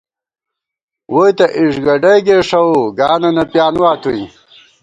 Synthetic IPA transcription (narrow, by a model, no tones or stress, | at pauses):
wojt̪ɐʔiʂɡɐɖɐjɡeːʂɐuɡaːnɐnɐpjaːnwaːt̪uĩ